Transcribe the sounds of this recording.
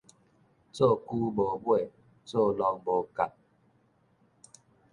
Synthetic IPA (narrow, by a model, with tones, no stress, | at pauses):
t͡so˥˦˨ku˦bo˨bwe˥˦˨ | t͡so˥˨lɔ˨ŋbo˨ka˨t̚